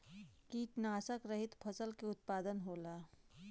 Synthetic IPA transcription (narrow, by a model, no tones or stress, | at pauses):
kiːʈnaːsəkɾəɦɪt̪pʰɐsəlkeʊt̪̚paːd̪ənɦoːlaː